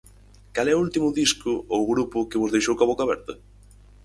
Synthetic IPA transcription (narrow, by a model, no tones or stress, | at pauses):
kalɛʊult̪imʊðiskʊowɣɾupʊkɪβʊzðejʃowkaβokaβɛɾt̪ɐ